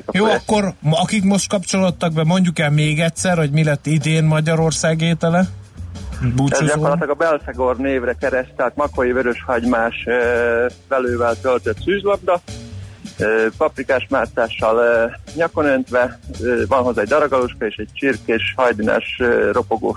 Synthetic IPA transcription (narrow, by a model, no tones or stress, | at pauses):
kjoːɒkːo̞rɒkikmo̞ʃt̪̚kɒpt͡ʃo̞lo̞t̪ːɒɡ̚bɛmo̞ɲɟukɛlmeːɡɛtʲsɛrho̞ɟmilɛt̪ːid̪eːnmɒɟɒɾo̞rsaːɡeːt̪ɛlɛ | buːzuɟɒkorlɒt̪lɒɡɒbɛlfɛɡorneːvɾɛkɛɾɛst̪ɛlt̪mɒkojivøɾøʃhɒɟmaːʃøvɛløːvɛlt̪ølt̪øt̪syːzlɒb̚d̪ɒ | øːpɒprikaːʃmaːt̪saːʃːɒlɲɒko̞nønt̪ʋɛvɒnɦo̞zaːɛɟd̪ɒɾɒɡɒloʃkɑeːʃɛɟ̚t͡ʃirkeːʃhɒjd̪inɛ̰ʃøɾo̞poɡo̰ː